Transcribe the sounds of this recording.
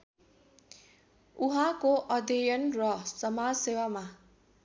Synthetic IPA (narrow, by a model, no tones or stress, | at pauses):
uɦãkoʔʌd̪ejʌnrʌsʌmad͡zsewama